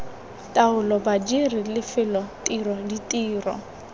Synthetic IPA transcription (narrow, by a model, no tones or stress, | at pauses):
tʼaʊlɔbad͡ʒirilɪfɪlɔtʼirɔditʼiːrɔ̰